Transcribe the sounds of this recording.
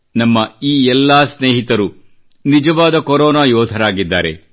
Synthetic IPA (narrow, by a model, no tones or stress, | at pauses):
nɐmːɐiːɛlːaːsneːɦit̪ɐɾu | nid͡ʒɐʋaːd̪ɐkoɾɔːnaːjɔːd̪ʱɐɾaːɡid̪ːaːɾḛ